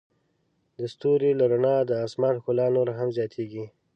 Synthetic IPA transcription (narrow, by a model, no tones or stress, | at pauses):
d̪əst̪uɾilaɾanɑd̪əɑsmɑnxʊlɑnoɾaɦamzjɑt̪ʰeɡi